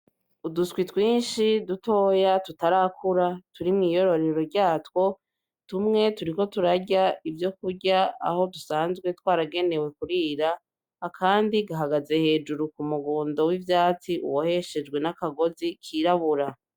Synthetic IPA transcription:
uduskwitwiːnʃiduto̞ːjatutaɾakʰuɾatuɾimŋiːjo̞ɾo̞ɾe̞ɾo̞ɾɟaːtwo̞ | tumŋe̞tuɾiko̞tuɾaɟaivjo̞k̚uɾɟaa̰ho̞dusaːnzɡwe̞twaːɾaɡe̞ne̞we̞kuɾiːɾaː | kaːndiɡaɦaɡaze̞he̞ːd͡ʒuɾukumuɡoːndo̞wivjaːt͡siʔṵwohe̞ʃe̞d͡ʒɡwe̞nakaɡo̞zikʰiːɾaβuɾa

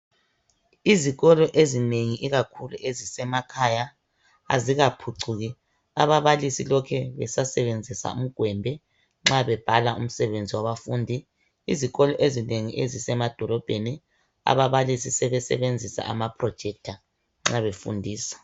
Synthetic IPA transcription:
iziɣɔlɔʔezineŋiʔiɣakʰulṵʔezisɛmakʰaja | a̰ziɣapʰuǀuɣɛ | aβaβalisilɔkʰɛβɛsasɛβend͡zʱisa̰ṵm̩ɡ̥ʱwɛmbʱɛ | ŋ͡ǁaβɛb̥ʱalaʔṵm̩sɛβend͡zʱiwaβafuːndʱi | iziɣɔlɔʔezineŋiʔezisɛmad̥ʱɔlɔb̥ʱeni | a̰βaβalisisɛβɛsɛ̰βend͡zʱisa̰a̰mapʰrɔd̥ʒ̥ʱɛk̚tʰa | ŋ͡ǁaβefṵndʱiːsḁ

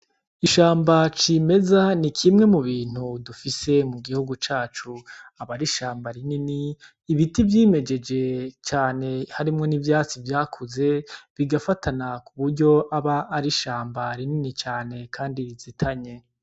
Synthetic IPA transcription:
iʃaːmbat͡ʃime̞zanikʰimŋe̞muβiːn̥hudufise̞muɡihuɡut͡ʃaːt͡ʃuaβaɾiʃaːmbaɾininiː | βitivjiːme̞d͡ʒe̞d͡ʒe̞t͡ʃaːne̞haɾimŋo̞nivjaːt͡sivjaːkʰuze̞βiɡafatʰanakuβuɾɟo̞ʔaβaːɾiʃaːmbaɾininit͡ʃaːne̞kʰaːndiβizitʰaɲe̞

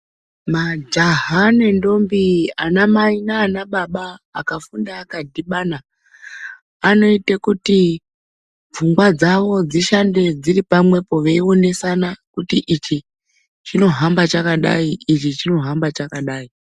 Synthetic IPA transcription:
mad͡ʒaɦane̞ndo̞mbianamainaːnaɓaɓaːkafundaːkadʱiɓana | no̞itekuti | b͡vuŋɡwad͡zaʋo̞d͡ziʃande̞d͡ziripamwe̞po̞ʋe̞io̞ne̞sanakutiʔit͡ʃi | t͡ʃino̞ɦambat͡ʃakaɗa̰iit͡ʃit͡ʃino̞ɦambat͡ʃakaɗaːi

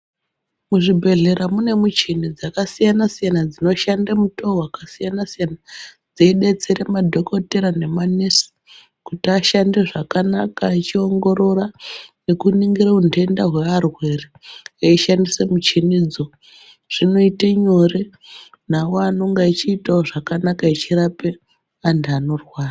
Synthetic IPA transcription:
muʐibʱe̞ɮe̞ɾamune̞mut͡ʃinid͡zakasijanasijanad͡zino̞ʃandamutoɦwakasijanasijanad͡zeiɗe̞t͡se̞ɾemadʱo̞koteɾane̞manesi̥ | kutiaʃande̞ʐakanakait͡ʃio̞ŋɡo̞ɾo̞rane̞kuniŋɡiɾaunde̞ndaɦwe̞arwe̞reeiʃandisemut͡ʃinid͡zo̞ | ʐ̥ino̞iteɲo̞re | nawanoŋɡait͡ʃiːtaoʐakanakait͡ʃiɾape | andano̞rwaːra

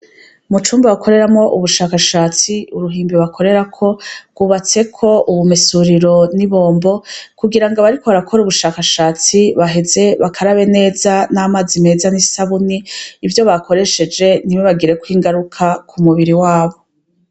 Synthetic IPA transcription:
mut͡ʃuːmbawakʰo̞ɾe̞ɾamŋo̞ʔuβuʃaːkaʃaːt͡siuɾuɦiːmbiβakʰo̞ɾe̞ɾakʰo̞ɡuβat͡se̞kʰo̞ʔuβumisuɾiɾo̞niβo̞ːmbo̞kuɡiɾaŋɡaβaɾikʰo̞βaɾakʰo̞ɾeuβuʃaːkaʃaːt͡siβaɦe̞ze̞βakʰaɾaβe̞ne̞ːzanamaːzime̞ːzanisaβuniːvjo̞βako̞ɾe̞ʃe̞d͡ʒe̞niβoβaɡiɾe̞kwiːŋɡaɾukʰakʰumuβiɾiwaːβo̞

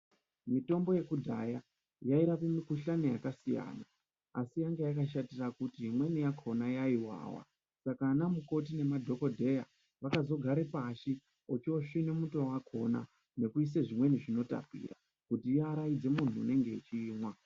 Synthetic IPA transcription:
mito̞mbo̞je̞kudʱa̰ja | jaiɾapimikuɬanijakasija̰ːna | asijaŋɡajakaʃatirakutiimwe̞nijakʰo̞najaiwa̰ːwa̰ | sakanamuko̞t̬ine̞madʱo̞ko̞dʱe̞ja | ʋakazo̞ɡʱaɾepaʃi | ot͡ʃioʂinemutowakʰo̞na̰ | ne̞kuis̬eʐimwe̞niʐino̞ta̰pḭːra̰ | kutijaːɾaid͡ze̞mun̤uːne̞ŋɡe̞it͡ʃiːmwa

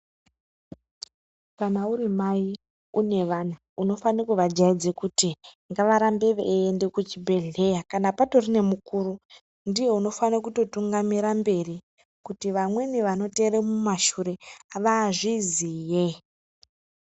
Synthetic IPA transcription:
kanauɾimai | une̞ʋan̤a | uno̞fanekuʋad͡ʒaid͡zekuti | ŋɡaʋaɾambe̞ʋeendekut͡ʃibʱe̞ɮe̞jakanapato̞rine̞mukuːɾu | ndije̞uno̞fanak̬uto̞tuŋɡamiɾambe̞ri | kutiʋamwe̞niʋano̞te̞ɾemumaʃuɾe̞aʋaːʐizije

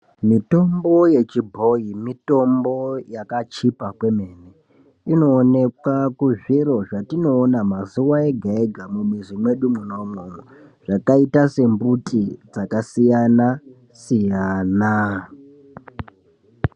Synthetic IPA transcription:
mito̞mbo̞je̞t͡ʃibʱo̞jimito̞mbo̞jakat͡ʃipakwe̞me̞ːne | ino̞ːne̞kwakuʐiɾo̞ʐatino̞ːnamazuwae̞ɡʱaeɡʱamumwizimwe̞ɗumuno̞mo | ʐ̥akaitase̞mbutʼid͡zakasijana | sijana

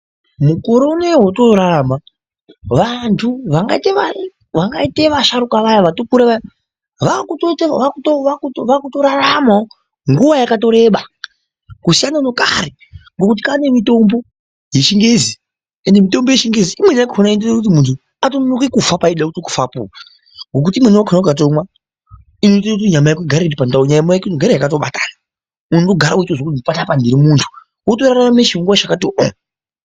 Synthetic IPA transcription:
mukoɾonewotoɾaama | ʋantʰuʋaŋɡa̰iteʋa | ʋaŋɡaiteʋaʃaɾukaʋajaʋatokuɾeʋaja | ʋakutotʋakutoakutʋakuto̞ɾaramao | ŋɡuʋajakat̬o̞ɾe̞ɓa | kusijanano̞ka̰ɾe | ŋɡokut̬i̥kane̞mito̞mbo̞ | je̞ʃiŋɡe̞ːzi | endemito̞mbo̞jeʃiŋɡeziimwenakʰonaindotkut̬imuntʰu | atonnokekufapaiɗakutoku̥fapṵa | ŋɡo̞k̬utimweniwakʰonakat̬omwa | ino̞itaut̬iɲamajakuɡʱaɾetipantauɲajamaaknoɡʱaɾejakat̬oɓa̰ta̰ːna | unonto̞ɡʱaɾait͡ʃozokuipatapandiɾimuntʰu̥ | otorarananeʃiŋɡwaʐakatoʔo̰

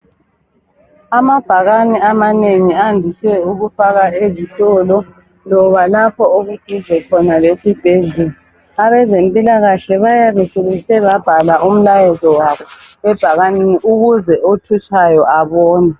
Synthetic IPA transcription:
amab̥ʱaɣaniamaneŋiandʱisɛuɣufaɣaezitʼɔlɔ | lɔβalapʰɔoɣuɡ̥ʱizɛkʰɔnalesib̥ʱeɮɛla | aβɛzempʼilaɣaɬɛβajaβɛseɣuɬɛβab̥ʱalaʔum̩lajɛzɔwaβɔ | ɛb̥ʱaɣaneniʔuɣuzɛʔotʰut͡ʃʼajɔʔaβɔːna

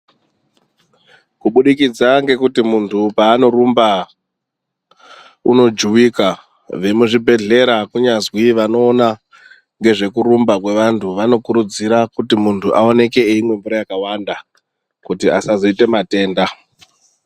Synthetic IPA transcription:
kuɓuɗikid͡zaŋɡe̞kutimuntʰupaːno̞rumba | ṵno̞d͡ʒuʋika | ʋemuʐibʱe̞ɮe̞ɾakuɲazwiʋano̞ːna | ŋɡe̞ʐe̞kuɾumbakwe̞ʋantʰuʋano̞kuɾud͡ziɾakutimuntʰuʔao̞ne̞ke̞ːimwe̞mbuɾajakawanda | kutiasazoite̞mate̞ːnda

